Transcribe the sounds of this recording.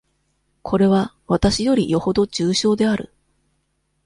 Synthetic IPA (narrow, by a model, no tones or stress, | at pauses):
kʰo̞ɾe̞βaβat̪aɕijo̞ɾʲijo̞ho̞d̪o̞d͡ʑɨːɕo̞ːd̪e̞aɾɯ̟̰